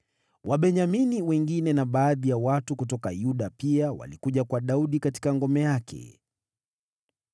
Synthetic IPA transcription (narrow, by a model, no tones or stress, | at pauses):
wʔaɓɛɲaminiwɛŋɡinɛnaɓaːðijawatukutɔkajuɗapiawa̰likuʄakwaɗauɗikati̥kaŋɡɔmɛjakʰɛ̰